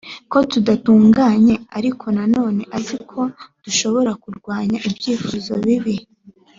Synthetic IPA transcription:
ko̞tudatuːŋɡaːɲe̞aɾikʰo̞nano̞ːne̞ʔazikʰo̞d̥uʃo̞βo̞ɾakuɾɡwaːɲaʔibjiːfuzo̞̰βiβi

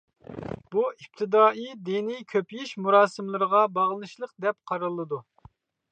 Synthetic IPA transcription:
buip̚t̪ʰɨd̪ɑːid̪enijkʲʰøpʰjiʃmuɾɑːsɨmlˠɨɾəʁɑbɑʁlˠɨnɨʃlˠəq̚d̪ɛp̚qʰɑɾɨlˠːɨd̪u

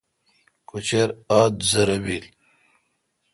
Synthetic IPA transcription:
kut͡ɕeɾaːd̪zɐɾɐwil

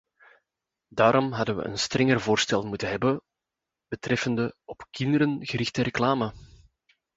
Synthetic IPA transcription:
daːɾʔɔmɦɑdənʋə̰ʔə̰nstrɛŋərvoːrstɛlˠmutənɦɛbə | b̥ətrɛfəndəɔpkɪndəɾənɣəɾɪxtəɾɛklaːmə

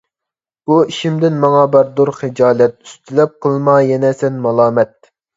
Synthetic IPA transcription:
buiʃimd̪ɪnmɑŋɑbɑɾd̪uɾχed͡ʒɑːlɛt̪̚y̥st̪ʰylɛp̚qʰəlˠmɑjɛnɛsɛnmɑlˠɑːmɛt̪̚

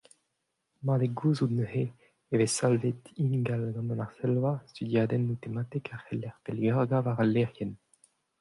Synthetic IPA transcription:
madeɡuːzud̪nøhe | evesalvet̪inɡalɡɑ̃mɔnaʁsɛlwast̪yd̪jaːd̪ɛnːut̪emat̪ɛkaʁhɛlɛʁpelɛʁɡavaʁalːɛʁjɛn

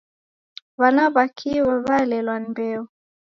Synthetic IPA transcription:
βanaβakʰiwɛβalɛlwanibɛɔ

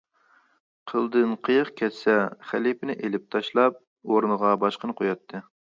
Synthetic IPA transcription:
qʰəlˠd̪ɨnqʰəjəχkʲʰɛt̪sɛχælipɪnɪʔelɪp̚t̪ʰɑʃlˠɑp̚ | oɾnəʁɑbɑʃqənɨqʰojɑt̪ʰːɨ

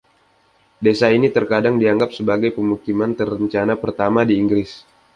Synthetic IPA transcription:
desainit̪ərkadaŋdiaŋɡap̚səbaɡajpəmukimant̪ərːəɲt͡ʃanapərt̪amadiːŋɡɾɪs

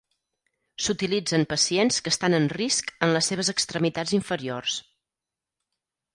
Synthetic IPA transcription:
sut̪ilid͡zəmpəsienskəst̪anənriskənləsːeβ̞əzəkst̪ɾəmit̪ad͡ziɱfəɾiors

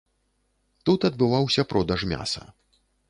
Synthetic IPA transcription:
t̪ut̪ɐd̪̚bɨvawsʲɐpɾʔɔd̪ɐʂmʲa̰sɐ̰

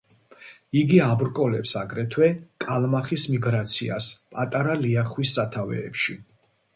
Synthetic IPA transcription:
iɡiabɾkʼɔlɛpsaɡɾɛt̪ʰwɛkʼalmaχismiɡɾat̪sʰia̰spʼat̪ʼaɾaliaχwisːat̪ʰavɛ̰ːpʃi

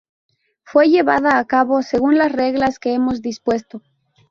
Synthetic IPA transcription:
fwe̞ʝe̞βaðaːkaβo̞se̞ɣunlasre̞ɣlaske̞emo̞zðispwe̞st̪o̞

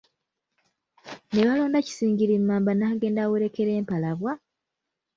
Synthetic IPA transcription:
ne̞βalo̞ːndaci̥siːɲɟiɾimːaːmbanaːɡe̞ːndaweɾe̞ke̞ɾe̞ːmpalaβwa

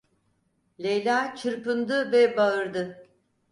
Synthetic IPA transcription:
lʲejlʲaːt͡ʃʰɯɾpɯnd̪ɯvɛbaɯɾd̪ɯ

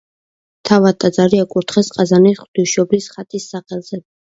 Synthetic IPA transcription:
t̪ʰavadt̪ʼːad̪zaɾiakʼuɾt̪ʰχɛsqʼazaniχwd̪̥iʃɔblisχat̪ʼisːaχɛlˠz̥ɛ

